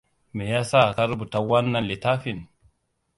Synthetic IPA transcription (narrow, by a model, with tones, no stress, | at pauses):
mɛ˨ja˦sa˦˨ka˦ɾbu˨ta˨wa˦nːa˦˨li˨ta˦fi˨n